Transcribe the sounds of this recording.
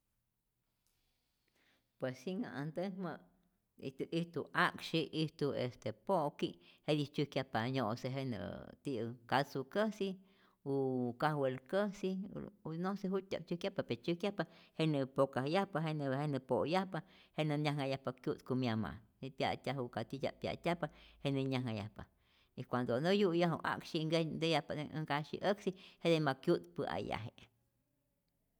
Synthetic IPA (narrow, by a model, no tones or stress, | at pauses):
pweshiŋa̰ʔand̪əhmə | ḭt̪uʔiht̪uakʃiʔiht̪uest̪epoʔkihed̪it͡ʃuhkjahpaɲoʔseɦenə̰t̪ikasukəsi | ukahwelkəsḭnoseɦut̪ʲːa̰k̚t͡ʃukjahpapet͡ʃukjahpahenɨpokahjahpaɦeneenɨpojahpahenɨnʲahŋajahpakjut̪kumjama̰nipja̰t̪ʲaɦukat̪itʲa̰pja̰ʔt̪ʲahpahenɨɲʲahŋaja̰hpa̰ | ikʷand̪onojujaɦṵʔa̰kʃiŋɡed̪ejahpaŋkaʃḭʔəksihed̪emakjut̪pɨa̰ja̰ɦeʔ